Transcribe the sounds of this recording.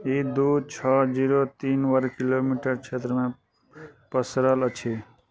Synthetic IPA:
id̪ut͡ʃʰʌd͡ʒiɾot̪inwʌɾkilomiʈəɾt͡ʃʰet̪ɾəmẽ | pəsɾələt͡ʃʰi

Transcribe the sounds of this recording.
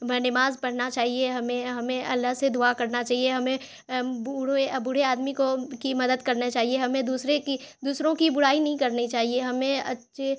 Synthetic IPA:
nɪmaːzpɐɽ̤nat͡ʃaːɦieɦɐmẽɦɐmẽɐ̰lːaɦsed̪ʊakɐɾnat͡ʃaːɦieɦɐmẽ | bɽebʊɽ̤eaːd̪mikokimɐd̪əd̪kɐɾnat͡ʃaːɦieɦɐmẽd̪uːsɾekid̪uːsɾõkibʊɽaːinɐɦĩkɐɾnit͡ʃaːɦieɦɐmẽɐ̰tːʃʰe

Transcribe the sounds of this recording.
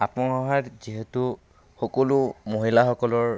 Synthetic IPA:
apɔɔɦatziɦetu | xɔkɔlʊmoɦilaxɔkɔlɔɹ

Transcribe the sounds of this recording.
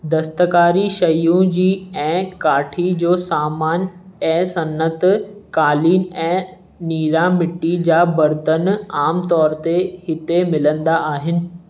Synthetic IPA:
d̪ɐst̪əkaːɾiʃɐjũd͡ʑiːɛ̃ːkaːʈʰid͡ʑoːsaːmaːnɛ̃ːsɐnət̪kaːliːnɛ̃ː | niːɾamɪʈːid͡ʑaːbɐɾt̪ənaːmt̪ɔːɾt̪ehɪt̪emɪlə̃nd̪aʔaːɦɪnɪ̆

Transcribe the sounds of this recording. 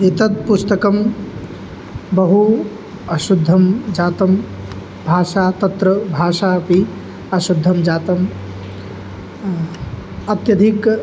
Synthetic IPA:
et̪ɐt̪̚pust̪əkɐm | bɐɦu | ɐʃud̪ʱːəmd͡ʒaːt̪əm | bʱaːsat̪ɐt̪ɾəbʱaːʃapi | ɐʃud̪ʱːəmd͡ʒaːt̪ɐm | ɐt̪jɐd̪ʱik

